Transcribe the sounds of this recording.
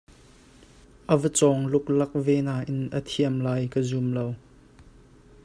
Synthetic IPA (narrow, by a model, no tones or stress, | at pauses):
ʔəvət͡sɔŋlʊk̚lɐk̚vɛːnaːʔɪnʔət̪ʰiəmlaːjkəzumlow